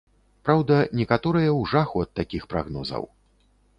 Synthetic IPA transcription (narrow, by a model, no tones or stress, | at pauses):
pɾawd̪ɐnʲɛkat̪ɔɾɨjɐwʐaxuɐt̪ːakʲixpɾa̰ɣnɔzɐ̰w